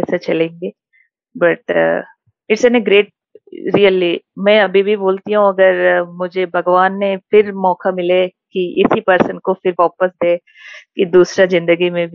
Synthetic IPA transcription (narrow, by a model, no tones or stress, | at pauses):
ɛːsat͡ʃɐlẽːŋɡeː | bɐʈ | ɪʈsɛneɡɾeːʈ̚ | ɾiːəlːimɛ̃ːɐbʱibʱiboːlt̪iɦũɐɡəɾmʊd͡ʒʱebʱɐɡʋaːnːepʰɪɾmɔːkamɪlekiʔɪsipəɾsənkopʰɪɾʋaːpəsd̪eː | kid̪uːsɾazɪ̃nd̪əɡimẽbʱ